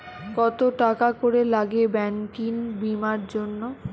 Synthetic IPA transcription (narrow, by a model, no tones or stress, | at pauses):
kɔt̪oʈakakoɾelaɡebɛnkinbimaɾd͡ʑonːo